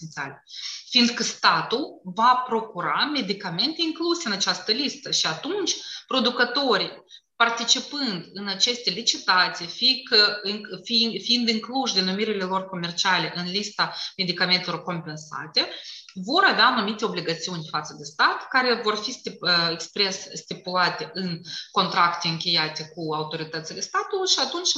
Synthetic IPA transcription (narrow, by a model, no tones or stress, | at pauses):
na̰lefiːnd̪kəst̪at̪ulvapɾo̞kuɾame̞d̪ikame̞nt̪e̞iŋkluse̞ɨnat͡ʃast̪əlist̪əʃiat̪unt͡ʃʲpɾo̞d̪ukət̪o̞ɾij | part̪it͡ʃipɨnd̪ɨnat͡ʃe̞st̪e̞lit͡ʃit̪at̪sijfikəŋfifiind̪ɨŋkluʃd̪enumiɾile̞lo̞rko̞me̞rt͡ʃiale̞ʔɨnlist̪ame̞d̪ikament̪elorko̞mpe̞nsa̰t̪e̞vo̞ɾavʲeaːnumit̪e̞o̞bliɡat̪siunʲfat̪səd̪e̞st̪at̪kaɾe̞vo̞rfisekspɾe̞sːt̪ipulat̪e̞ʔɨnko̞nt̪ɾakt̪e̞ɨŋkʲe̞jat̪e̞kuawt̪o̞ɾit̪ət̪sile̞st̪at̪ulujʃiat̪unt͡ʃʲ